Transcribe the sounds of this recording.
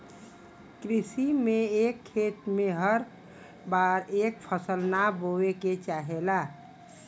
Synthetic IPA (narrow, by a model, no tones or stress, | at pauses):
kɾisimeekʰːet̪meɦəɾ | baɾek̚pʰəsəlnaboeket͡ʃaɦela